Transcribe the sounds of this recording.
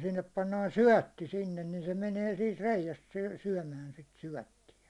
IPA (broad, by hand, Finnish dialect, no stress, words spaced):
sinːep pɑnːɑːn syæ̹tːi sinːen nin se meneː siːt reijæst sy syæ̹mæːn sit syæ̹tːijæ